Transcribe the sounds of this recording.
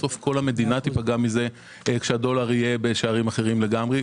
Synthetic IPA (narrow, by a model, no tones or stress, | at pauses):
so̞fko̞lame̞d̪inat̪ipaɡamize̞ | kʃeado̞laʁije̞beʃeaʁimaχeʁimle̞ɡamʁe